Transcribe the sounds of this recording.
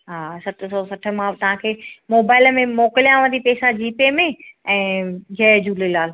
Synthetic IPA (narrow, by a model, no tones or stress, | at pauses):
ɦaːsɐt̪ʰsɔːsɐʈʰə̆mãt̪ɐɦãkʰeːmoːbaːɪləmẽmoːkɪlijãʋə̃nd̪ipeːsad͡ʑiːpemẽɛ̃ːd͡ʑɛːd͡ʑuːlilaːl